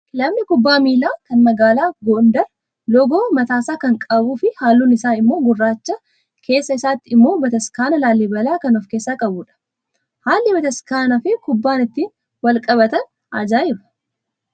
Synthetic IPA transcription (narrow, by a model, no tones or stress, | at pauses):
lɐmnɪkʊbːaːmiːlaːkɐnmɐɡaːlaːɡond̪ɐɾ | lɔɡoːmɐt̪aːsaːkɐŋkʼɐbuːfɪhaːlːuːnɪsaːɪmːo̞ːɡʊrːaːt͡ʃːɐ | kʰe̞ːsːɐɪsaːt̪ːɪɪmːo̞ːbɐt̪ɐskaːnɐlaːlːibɐlaːkɐnɔfkeːsːaːkʼɐbʊᶑɐ̥ | haːlːɪbɐt̪ɐskaːnɐfɪkʊbːaːnɪt̪ːiːn | wɐlkʼɐβɐt̪ɐn | aːd͡ʒaːɪbɐ̥